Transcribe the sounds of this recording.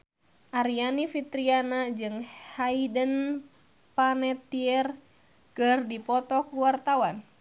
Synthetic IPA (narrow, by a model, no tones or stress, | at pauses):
ʔaɾianifit̪ɾianad͡ʒɨŋhaidən | panɛt̪iɛr | kɨrdipɔt̪ɔkuwart̪awan